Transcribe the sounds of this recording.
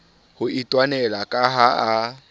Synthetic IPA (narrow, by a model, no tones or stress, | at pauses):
hʊitʼwanɛlakʼaɦaa